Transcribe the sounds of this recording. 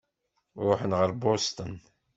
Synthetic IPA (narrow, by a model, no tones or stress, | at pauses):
ɾˤʊħənʁəɾbost̪ən